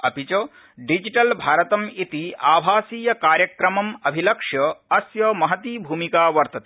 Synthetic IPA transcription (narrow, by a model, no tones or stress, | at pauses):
ɐpit͡ʃo | ɖid͡ʒiʈɐlbʱaːɾɐt̪ɐmit̪iaːbʱaːsiːjɐkaːɾjɐkɾɐmɐmɐbʱilɐkʂjɐɐsjɐmɐɦɐt̪iːbʱuːmikaːʋɐɾt̪ɐt̪